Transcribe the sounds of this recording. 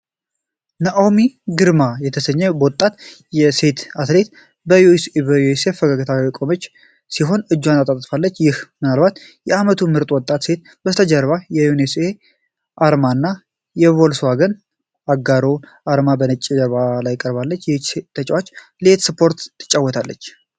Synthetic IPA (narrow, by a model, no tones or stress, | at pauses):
nəʔawmiɡɨɾmajɛt̪ʰəsəɲːɛbəwɔt̪ʼːat̪jɛse̞t̪at̪ʰle̞t̪ | bəjusebəjusefəɡaɡət̪ʰawikʼo̞mət͡ʃː | siɦo̞nɨd͡ʒːwanat̪ʼat̪ʼfalːət͡ʃːjɪhmɨnalbat̪ | jɛamət̪ʰumɨɾt̪ʼwɔt̪ʼːat̪se̞t̪̚ | bəst̪ʰəd͡ʒəɾβajɛjunese | ʔaɾmanːa | jɛβolswaɡən | aɡaɾoʔaɾmabənət͡ʃʼːid͡ʒəɾβalajːɪkʼəɾβalːət͡ʃːjɛt͡ʃset̪ʰːət͡ʃʼwat͡ʃːlet̪sɨpʰo̞ɾt̪t̪ʰːɨ̥t͡ʃʼːawːɔt̪ʰalːət͡ʃː